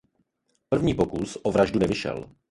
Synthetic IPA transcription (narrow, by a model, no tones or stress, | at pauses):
pr̩vɲiːpo̞kusʔovɾaʒdunɛvɪʃɛ̰l